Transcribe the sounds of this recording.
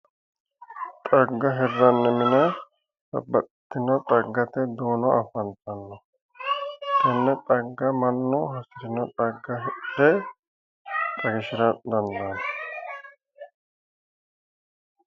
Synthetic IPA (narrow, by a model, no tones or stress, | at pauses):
t̪ʼɐɡːɐɦɛrːɐnːɛmɪnɐ | sɐ̰bːɐt̪t̪ːɪnɐt̪ʼɐɡːɐt̪ɛd̪oːnɔɐfɐnt̪ɐnːɔ | tɐnːɛt̪ʼɐɡːɐmɐnːɔɦɐsɪɾɪnɔt̪ʼɐɡːɐɦɛ | t̪ʼɐɡɪʃɪɾɐd̪ɐnd̪ɐnɐ